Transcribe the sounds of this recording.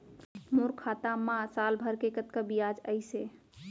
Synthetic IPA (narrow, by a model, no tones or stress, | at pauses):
moɾkʰat̪amãsalbʱəɾkekət̪kəbijad͡ʒəɪse